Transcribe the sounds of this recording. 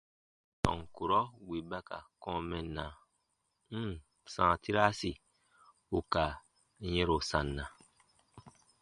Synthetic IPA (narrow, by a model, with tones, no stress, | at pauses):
tɔ̰̃˨ŋku˨ɾɔ˦wi˨ba˦ka̰˨kɔ̃˦mɛ˨nːa˨˦˨ | sãː˨ti˦ɾa˦si˨ | u˦ka˨˦ | je˦ɾo˨sã˨nːã˨